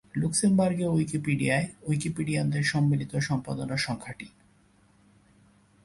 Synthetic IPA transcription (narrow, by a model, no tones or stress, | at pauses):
luksembaɾɡeojkipiɖiaeojkipiɖiad̪eɾʃɔmːilit̪oʃɔmpad̪onaʃɔŋkʰaʈi